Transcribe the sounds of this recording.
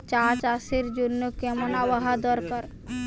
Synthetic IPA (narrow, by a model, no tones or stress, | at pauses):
t͡ɕat͡ɕaʃeɾd͡ʑonːokɛmonabaɦad̪ɔɾkaɾ